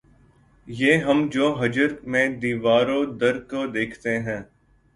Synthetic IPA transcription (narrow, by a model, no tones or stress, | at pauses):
jeːɦəmd͡ʒoːɦɐd͡ʒəɾmẽːd̪iːʋaːɾõːd̪əɾkod̪eːkʰt̪eɦɛ̃ː